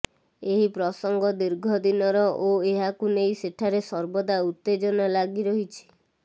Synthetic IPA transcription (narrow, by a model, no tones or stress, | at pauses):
eɦipɾɔsɔŋɡɔd̪iɾɡʱɔd̪inɔɾɔʔoeɦakunejseʈʰaɾesɔɾbɔd̪aut̪ːed͡ʒɔnalaɡiɾɔɦit͡ʃʰi̥